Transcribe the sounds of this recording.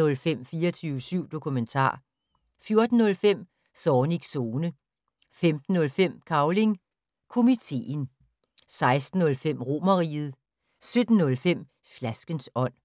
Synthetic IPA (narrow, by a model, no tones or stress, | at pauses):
ɔ̽lfem̰fiːɐt͡sʰyːʊsyʊ̰d̥o̝kʰument͡sʰɑ̰̈ː | fjo̝ɐd̥n̩ːɔ̽lfem̰ | sɒːniɡ̥so̝ːnə | femd̥n̩ːɔ̽lfem̰kʰɑ̈ʊle̝ŋ | kʰo̝mit͡sʰe̝̰ːn | sɑ̈ɪsd̥n̩ɔ̽lfem̰ʁo̝mɐʁḭːð̩ˠ | sød̥n̩ːɔ̽lfem̰ | flæsɡ̥ənsɒ̽n̰